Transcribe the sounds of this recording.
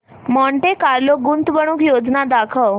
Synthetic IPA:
mɔɳʈekaɾloɡunt̪bəɽ̃uːkjod͡znad̪akʰəw

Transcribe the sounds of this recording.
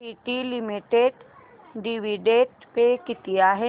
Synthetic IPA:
iːʈilɪmiʈeɖ | ɖiʋiɖeːʈpekɪt̪ijaɦɛ

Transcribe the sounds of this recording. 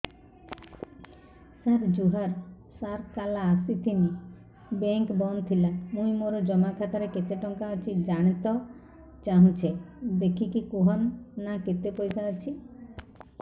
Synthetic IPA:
saɾd͡ʒuɦaɾ | saɾkalaːsit̪ʰini | beŋkbɔnt̪ʰilamũimoɾɔd͡ʒɔmakʰat̪aɾeket̪eʈɔŋkaɔt͡ʃʰid͡ʒaɽ̃et̪ɔ | t͡ʃaɦũt͡ʃʰed̪ekʰikikoɦɔnːaket̪epɔjsat͡ʃʰi

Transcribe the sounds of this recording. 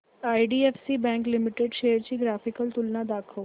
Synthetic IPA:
ajɖiefsiːbɛ̃ŋklimiʈeɖʃejəɾt͡ɕiːɡɾafikəlt̪ulnad̪akʰəʋ

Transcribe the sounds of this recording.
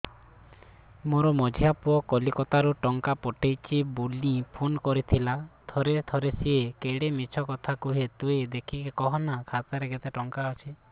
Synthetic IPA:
moɾɔmɔd͡ʒʱijapuɔkɔlikɔt̪aɾuʈɔŋkapɔʈʰejt͡ʃʰibulĩpʰonkɔɾit̪ʰilat̪ʰɔɾet̪ʰɔɾesiekeɽemit͡ʃʰɔkɔt̪ʰakuɦet̪ued̪ekʰikekɔɦɔnakʰat̪aɾeɡet̪eʈɔŋkaɔt͡ʃʰi

